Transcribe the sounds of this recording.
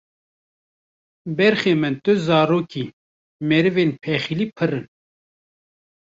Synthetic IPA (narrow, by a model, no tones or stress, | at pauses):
bɛɾxeːmɨnt̪ɨzɑːɾoːkiː | mɛɾɨvenpʰɛxiliːpʰɨɾɨn